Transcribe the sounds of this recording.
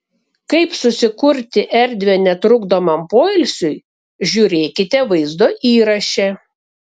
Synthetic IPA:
kɐɪpsʊsʲɪkʊɾʲt̪ʲɪʔɛɾʲd̪ʲʋʲeːnʲɛt̪ɾʊɡd̪oːmɐmpoːɪlʲsʲʊɪ | ʒʲuɾʲeːkʲɪt̪ʲɛʋɐɪzd̪oːʔiːɾɐʃʲɛ

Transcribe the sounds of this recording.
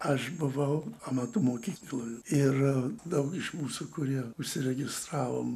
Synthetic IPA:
ɐʃbʊʋɐʊɐmɑt̪ʊmoːkʲiːklˠoːjʊɪrd̪ɐʊkɪʃmuːsukʊɾʲiɛʊʃʲsʲɪɾʲɛɡʲɪst̪ɾɑːʋo̰ːm

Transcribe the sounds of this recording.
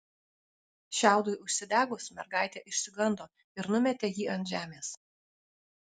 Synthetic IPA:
ʃʲæˑʊd̪oɪʔʊʃʲsʲɪd̪ʲæːɡosmʲɛ̰ɾɡɑˑɪt̪ʲeːʔɪʃʲsʲɪɡˠɐnd̪oː | ɪɾnʊmʲɛt̪ʲeːjiːɐnt̪ʒʲæːmʲeːs

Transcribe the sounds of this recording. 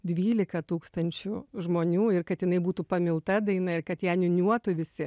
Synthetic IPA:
d̪ʲʋʲiːlʲɪkɐt̪uːkst̪ɐnʲt͡ʃʲʊʒmoːnʲuːɪrkɐt̪jɪnɐɪbuːt̪upɐmʲɪlˠt̪ɐd̪ɐɪnɐɪrkɐt̪jæːnʲʊnʲuɔt̪ʊʋʲɪsʲɪ

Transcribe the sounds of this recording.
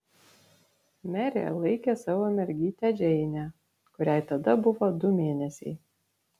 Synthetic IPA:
mʲæɾʲḛlˠɐɪkʲesɑʋoːmʲɛɾʲɡʲiːt̪ʲæd͡ʒʲɛɪnʲæ | kʊɾʲæˑɪt̪ɐd̪ɐbʊʋod̪ʊmʲeːnʲɛsʲɛɪ

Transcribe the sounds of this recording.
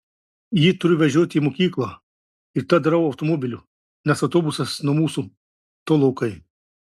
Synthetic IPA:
jit̪ʊɾʲʊʋʲɛʒʲuɔt̪ʲiːmokʲiːklˠɐ | ɪɾt̪ɐd̪ɐɾɐʊɐʊt̪ɔmoːbʲɪlʲu | nʲɛsɐʊt̪oːbʊsɐsnʊmuːsu | t̪oːlˠɔʊkɐɪ

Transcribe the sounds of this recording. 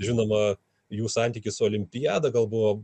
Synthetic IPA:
ʒʲɪnoːmɐ | juːsɑˑnʲt̪ʲiːkʲɪsʊoːlʲɪmʲpʲɪjæːd̪ɐɡɐlˠbʊʋoː

